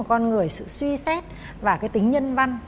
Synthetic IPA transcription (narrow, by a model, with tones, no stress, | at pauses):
t̚kɔ˧nŋɨ˨˩əjsɨ̰˧˨swi˧sɛ˦˥t̚ | vaː˨˩kaː˨˦jt̪ï˨˦ŋ̟ɲə˧nva˧ŋ